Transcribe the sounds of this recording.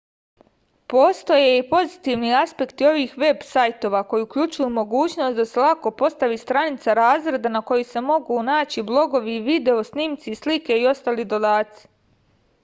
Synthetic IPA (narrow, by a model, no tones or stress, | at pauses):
po̞ːst̪o̞jeipo̞zit̪iʋniaspe̞kt̪io̞ʋiːxʋe̞bsajt̪o̞ʋako̞jiukʎut͡ʃujumo̞ɡuːt͡ɕno̞st̪d̪aselˠako̞po̞st̪aʋist̪ɾanit̪saɾaːzɾe̞d̪anako̞jise̞mo̞ɡunaːt͡ɕiblˠo̞ɡo̞ʋiːʋid̪e̞o̞sniːmt̪sislike̞io̞st̪aːlid̪o̞d̪aːt̪si̥